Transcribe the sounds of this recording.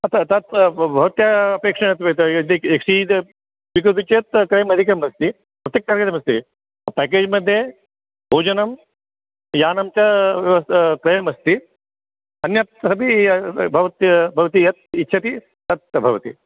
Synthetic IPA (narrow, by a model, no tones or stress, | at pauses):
ɐt̪ɐt̪ɐt̪bʱɐʋɐt̪jaɐpeːkʂɐɳɐt̪ʋet̪d̪ikekʂid̪ | ʋikɾut̪ut͡ʃjt̪̚kɾɐjɐmɐd̪ʱikɾɐmɐst̪i | pɾɐt̪jɐk̚t̪aɾkɐd̪ɐmɐst̪i | pæːkeːd͡ʒmɐd̪ʱje | bʱoːd͡ʒɐnɐm | jaːnɐmt͡ʃɐʋɐskɾɐjɐmɐst̪i | ɐnjɐt̪̚ɐbibʱɐʋɐt̪jɐbʱɐʋɐt̪ijɐt̪̚itːʃʰɐt̪i | t̪ɐt̪̚bʱɐʋɐt̪ḭ